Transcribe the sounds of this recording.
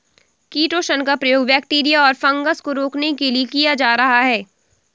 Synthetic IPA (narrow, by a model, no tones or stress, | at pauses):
kiːʈoːʃənkapɾɐjoːɡbɛːk̚ʈiːɾijaɔːɾfɐ̃ŋɡəskoɾoːknekeliekijad͡ʒaːɾɐɦaɦɛː